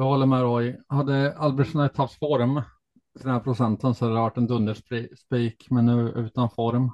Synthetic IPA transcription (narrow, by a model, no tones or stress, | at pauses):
jɑːhɔlːəɾmɛɾɔjhad̪ːəalbɾɛʂənaɛt̪ʰːaft̪fɔɾm | t̪ʰɪɾd̪ɛnhæːɾpʰɾʊsɛnt̪ənsɔhad̪ədəvaʈːɛnd̪ɵnd̪əʂspiːkmɛnːʉ̟ːʉ̟ːt̪anfɔɾm